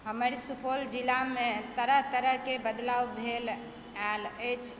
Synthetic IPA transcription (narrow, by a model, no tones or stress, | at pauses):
həməɾisupʰold͡ʒilamet̪əɾəɦt̪əɾəɦkebəd̪lawbʱel | alət͡ʃʰ